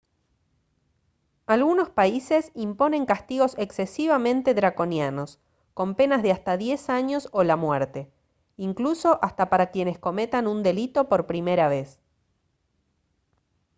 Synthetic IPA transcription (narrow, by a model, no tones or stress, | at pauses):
alɣuno̞spaise̞simpo̞nẽ̞ŋkast̪iɣo̞seksesiβamẽ̞nt̪e̞ðɾako̞njano̞s | ko̞mpe̞nazðeast̪aðje̞saɲo̞so̞lamweɾt̪e̞ | iŋkluso̞ʔast̪apaɾakje̞ne̞sko̞me̞t̪anund̪e̞lit̪o̞po̞ɾpɾime̞ɾaβ̞e̞s